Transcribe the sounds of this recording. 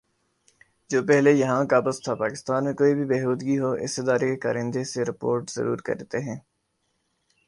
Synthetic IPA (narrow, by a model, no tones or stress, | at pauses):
d͡ʒoːpɛɦlejɐɦãkaːbəzt̪ʰapaːkɪst̪aːnmẽkoːibʱibɛːɦuːd̪ɡiɦoʔɪ̰sɪd̪aːɾekeka̰ːɾɪ̃nd̪eseɾɪpo̰ːɾʈz̥ɐ̰ɾṵːɾkɐ̰ɾet̪eɦɛ̃ː